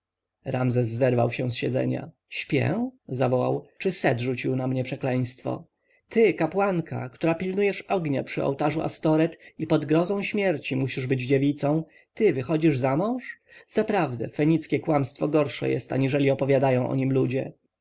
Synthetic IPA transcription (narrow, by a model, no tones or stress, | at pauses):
ɾamzɛs̬ːɛɾvawɕɛ̃sɕɛd̪zɛ̰ɲa̰ | ɕpʲjɛ̰zavɔwa̰wt͡ʂɘsɛd̪ʐut͡ɕiwnamɲɛpʂɛklɛj̃st̪fɔ̰ | t̪ɘkapwaŋkʰa̰kt̪uɾapʲilnujɛʂɔɡɲapʂɘɔ̰wt̪aʐuʔa̰st̪ɔɾɛt̪ipɔd̪ɡɾɔzɔ̃w̃ɕmʲjɛɾt͡ɕimuɕiʐbɘd͡ʑd͡ʑevʲit̪sɔ̃w̃ | t̪ɘvɘxɔd͡ʑiʐzamɔ̃w̃ʂz̥apɾavd̪ɛfɛɲit̪skʲɛkwamst̪fɔɡɔɾʂɛ̰jɛ̰st̪a̰ɲiʐɛlʲiɔpɔvʲjad̪ajɔ̃w̃ʔɔ̰ɲimlud͡ʑɛ̰